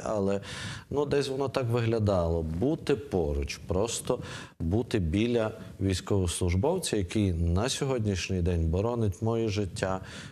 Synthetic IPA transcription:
ɐ̰lˠɛnud̪ɛsʲʋɔnɔt̪ɑkʋɪɦlʲɐd̪ɑlˠɔbut̪ɪpɔɾʊt͡ʃpɾɔst̪ɔ | but̪ɪbʲilʲɐ | ʋʲijsʲkɔʋʊslˠʊʒbɔwt͡sʲɐjɐkijnɐsʲɔɦɔdʲnʲiʃnʲɪjd̪ɛnʲbɔɾɔnɪtʲmɔjiʒɪtʲːa

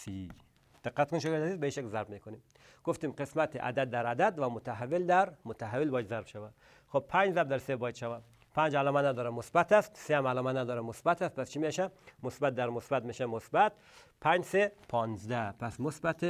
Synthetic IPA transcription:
si | d̪̥eqːæt̪konʃoɡeɾt̪azizbeiʃaklzæɾbmikonim | ɡ̥oft̪imqesmæt̪ʰeʔæ̰d̪æd̪̚ːæɾad̪æd̪væmot̪ʰaɦavːeld̪æɾmot̪ʰaɦavːelbɔːjad̪zæɾbʃævæ | xob̚pʰænd͡ʒzæb̚d̪æɾsebɔːjad̪ʃavæ | pʰænd͡ʒælɔːmænæd̪ɔːɾamosbæt̪æst̪seæmælɔːmænæd̪ɔːɾamosbæt̪ʰæst̪̚pʰæst͡ʃʰimiʃæmosbæt̪̚d̪æɾmosbæt̪miʃemosbæt̪̚ | pʰæd͡ʒsepʰɒːnzd̪æpʰæsmosbæt̪ʰe

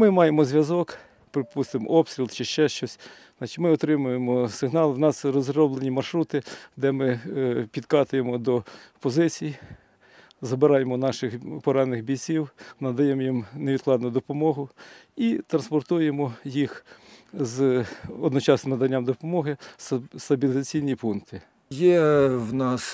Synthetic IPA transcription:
mɪmɑjemɔzʲʋjɐzɔk | pɾɪpust̪ɪmɔpst̪ʲɾʲilˠt͡ʃɪʃt͡ʃɛʃt͡ʃɔsʲ | ɑt͡ʃɪ̥tʲmɪɔt̪ɾɪmʊjemɔsɪɦnɑlˠwnɑsɾɔzɾɔblˠenʲimɐrʃɾut̪ɪd̪ɛmɪpʲid̪kɑt̪ʊjemɔd̪ɔpɔzɪt͡sʲiji | zɐbɪɾɑjemɔnɑʃɪxpɔɾɑnɪxbʲijt͡sʲiwnɐd̪ɐjɛmɔjimneʋʲid̪̚klˠɑd̪nʊd̪ɔpɔmɔɦʊit̪ɾɐnspɔrt̪ujemɔjix | zɔd̪nɔt͡ʃɑsnɪmnɐd̪ɐnʲːamd̪ɔpɔmɔɦɪsst̪ɐbʲilʲɪzɐt͡sʲijnʲipunt̪ɪ | jɛwnɑs

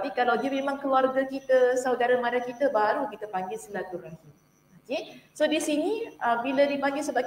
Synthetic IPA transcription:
apikalawdəmemãŋkəluarɡakit̪asawdaɾamadakit̪əbaɾukit̪əpaŋɡɪlsəlat̪uɾahim | okesodisinĩəbiladipaŋɡɪlsəbaɡ

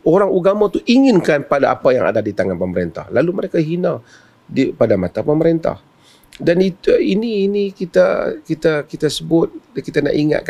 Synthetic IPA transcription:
oɾaŋuɡamat̪uʔiŋɪnkanpadaʔa̰paja̰ŋa̰dadit̪aŋanpəməɾḛnt̪a̰hlaluməɾekaɦina | dipadamat̪apəməɾent̪a̰h | danit̪iniːnikit̪akit̪akit̪asəbʊt̪̚kit̪ana̰ʔiŋa̰ʔ̪̚k

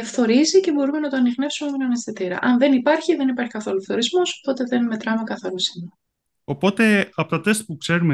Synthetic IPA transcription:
fθo̞ɾizice̞bo̞ɾume̞nɐt̪o̞ɐniɣne̞fsumemenɐnest̪it̪iɾɐ̰ʔɐnðe̞nipɐɾçiðe̞nipɐɾçi̥kɐθo̞lufθo̞ɾizmo̞st̪o̞t̪e̞ðe̞nme̞t̪ɾɐmekɐθɐɾusinu | o̞po̞t̪e̞ɐpot̪ɐt̪est̪̚pukse̞ɾume

